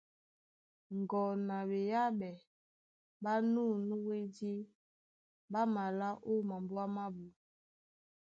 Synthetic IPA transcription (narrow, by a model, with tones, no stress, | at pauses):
ŋɡɔ˨na˨be˨ja˦ɓɛ˨ | ɓa˦nu˦nu˦we˦de˦ | ba˦ma˨la˦ʔo˦˨ma˨mbu˦a˦ma˦bu˨